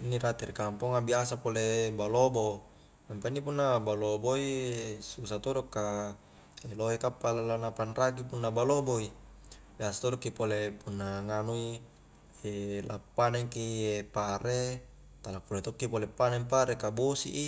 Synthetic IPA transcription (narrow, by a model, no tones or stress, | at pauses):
inːiɾat̪irikampoŋabiasapolebalobo | mampainːipunːabaloboisusat̪odokːa | eloɦekapːalalanapanrak̬ipunːabaloboibiasḁt̪odokːipolepunːaŋanui | elapːanɛŋkiepaɾe | t̪alakulat̪okːipolepːanɛmpaɾekabosḭʔi